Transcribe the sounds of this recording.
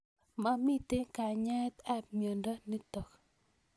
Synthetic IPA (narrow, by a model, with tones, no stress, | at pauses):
ma˦mi˦t̪e˦ka˨ɲɛ˦t̪ɛ˦p̚mjo˨nda˦ni˦t̪ɔ˨k